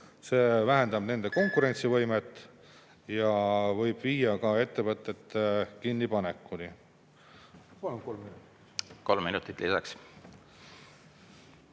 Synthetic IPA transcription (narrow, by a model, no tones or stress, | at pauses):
se̞ːvæɦe̞nd̪̥ɑb̥ne̞nd̪̥e̞ko̞ŋkˑuɾe̞nʲt̪sivɤ̞jme̞t̪ːˑ | jɑvɤjb̥viːjɑkɑe̞t̪ːe̞vɤt̪ːˑe̞t̪ːekinːipɑne̞kːˑuni | pɑlumko̞lmːinut̪ | ko̞lmːinut̪ːˑit̪ˑlisɑ̰ks